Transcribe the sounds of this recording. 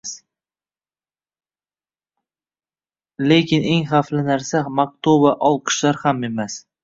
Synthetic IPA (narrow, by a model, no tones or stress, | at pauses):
s | le̞kʲɪne̞ŋχaflɪnaɾsamak̚t̪ʰoaʔɒlˠqʰɨ̥ʃlaɾhame̞mas